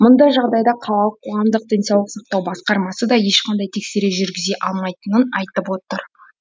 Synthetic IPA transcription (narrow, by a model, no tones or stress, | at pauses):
mʊnd̪ɑjʒɑʁd̪ɑjd̪ɑqʰɑlˠɑlˠəqʰːo̞ʁɑmd̪əq̚d̪̥ənsɑwlˠəqsɑq̚t̪ɑwbɑsqɑɾmɑsəd̪ɑje̞ʃqʰɑnd̪ɑjt̪ʰe̞kse̞ɾeʒʏɾɡʲɪze̞ʔɑlˠmɑjt̪ənənɑjt̪əpwo̞t̪əɾ